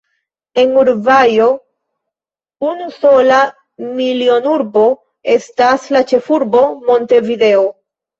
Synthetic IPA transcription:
e̞nuɾvajo̞ | unuso̞la | milio̞nuɾbo̞ | e̞staslat͡ʃe̞fuɾbo̞mo̞nte̞vide̞o

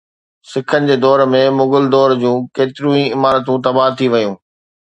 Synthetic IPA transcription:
sɪkʰənɪ̆d͡ʑeːd̪ɔːɾmẽmʊɡʊld̪ɔːɾd͡ʑũːkeːt̪ɪɾũːĩɪmaːɾət̪̬ũt̪ɐbaːɦt̪ʰːiʋɐjũː

